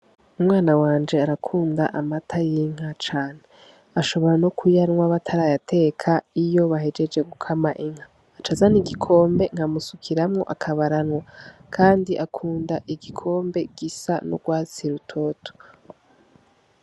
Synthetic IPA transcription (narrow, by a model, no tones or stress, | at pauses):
umŋaːnawaːnd͡ʒe̞aɾakʰuːndaʔamatʰajiŋ̥hat͡ʃaːne | aʃo̞βo̞ɾanokʰujanŋwaβatʰaɾaːjatʰe̞ːkʰaijo̞βaɦe̞d͡ʒe̞d͡ʒɡe̞ɡukʰamaʔiŋ̥haː | t͡ʃazaniɡikʰo̞ːmbe̞ŋ̥hamusukʰiɾamŋo̞̰ʔakʰaβaɾanwakʰaːndiʔakʰuːndaʔiɡikʰo̞ːmbe̞ɡ̥isa̰nṵɡwaːt͡siɾutʰo̞ːtʰo̥